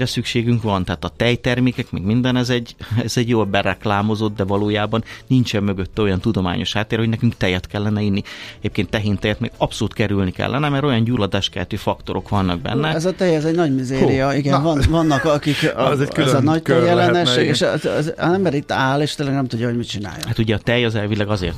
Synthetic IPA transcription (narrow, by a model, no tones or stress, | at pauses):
rɛsykʃeːɡyŋkʋɒnt̪ɛɦaːt̪ɒt̪ɛjt̪ɛrmeːkɛkmɛ̰ɡmind̪ɛnɛzɛɟɛzɛɟjoːlbɛɾɛklaːmo̞zo̞d̪d̪ɛvɒloːjaːbɒnnint͡ʃɛmːø̞ɡøt̪ːɛo̞jɒnt̪ud̪o̞ma̰ːɲo̞ʃhaːt̪ːeːɾrhoɟnɛkyŋkt̪ɛjɛt̪kɛlːɛnɛinːiɛɟeːp̚keːnt̪ːɛɦeːnt̪ɛjɛt̪mḛːɡɒpsoluːt̪kɛɾylnikɛ̰lːɛnɛmɛɾojɒnɟuːlːɒd̪aːʃkɛɛt̪øːfɒkt̪o̞ɾo̞kʋɒnːɒɡ̚bɛ̰nːɛɛzɒt̪ɛjɛzɛɟnɒɟmizeːɾijɒiɡɛnvɒnvɒnːɒkɒkikɛyɛznɒctɛjɛlɛnɛʃːeːɡeːʃzzɛmbɛɾit̪ːaːleːʃt̪eːlɛɡnɛmt̪uɟːɒɦoɟmit̪t͡ʃina̰ːjɔ̰hat̪uɟɛɒt̪ɛjɒzɛlvilɛɡɒzḛːrt̪